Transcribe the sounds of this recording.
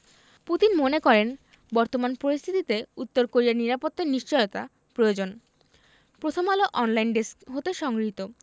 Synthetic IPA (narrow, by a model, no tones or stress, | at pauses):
put̪inmonekɔɾen | bɔɾt̪omanpɾoɾist̪ʰit̪it̪eut̪ːoɾkoɾiaɾniɾapot̪ːaɾniʃt͡ɕɔjot̪a | pɾojod͡ʑon | pɾot̪ʰomaloʔɔnlajnɖeskɦot̪eʃɔŋɡɾiɦit̪o